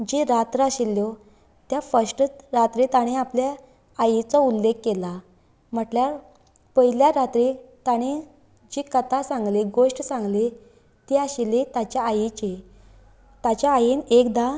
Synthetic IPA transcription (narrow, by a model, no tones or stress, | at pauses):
d͡ʑeɾat̪ɾəaɕilːjo | t̪jafəɾsʈɾat̪ɾit̪aɽ̃eapljaː | jit͡sɔulːekːela | m̤əʈljaɾ | pəɦiljaɾat̪ɾit̪aɽ̃e | d͡ʑikət̪ʰasãŋɡleɡoʂʈsãŋɡle | t̪eaɕilet̪at͡ɕjaajit͡ɕe | t̪at͡ɕjaːjinekd̪a